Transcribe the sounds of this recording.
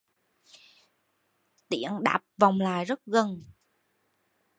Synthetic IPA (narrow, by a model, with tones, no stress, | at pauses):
t̪ḭ˧˩˥ənɗa̰ː˨˩p̚va˨˩wŋ͡mlaː˨˩jzə˦˥t̚ɣə˧n